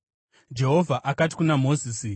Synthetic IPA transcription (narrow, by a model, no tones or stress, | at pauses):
d͡ʒe̞ɦo̞vʱaʔakat̬i̥kunamo̞ziːsi